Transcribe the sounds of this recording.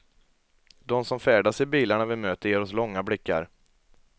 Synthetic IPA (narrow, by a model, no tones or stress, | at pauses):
d̪ɔmsɔmfɛːɖasɪbiːlaɳavɪlmøːt̪əɾeːɾɔslɔŋːablɪkːa̰ɾ